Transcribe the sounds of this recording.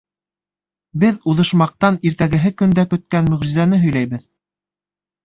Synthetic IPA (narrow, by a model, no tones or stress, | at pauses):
bɘðuðɤ̆ʃmɑq̚t̪ɑniɾt̪æɡɘ̆ɦɘkɵ̆nd̪ækɵ̆t̪̚kænmɵ̆ʁʒɘ̆zænɘɦɵ̆jlæjβɘð